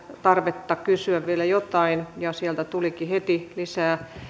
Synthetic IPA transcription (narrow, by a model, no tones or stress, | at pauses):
t̪ɑrʋet̪ːɑkkysyæʋʋielæjot̪ɑinjɑsiælt̪æt̪ulikihet̪ilisæː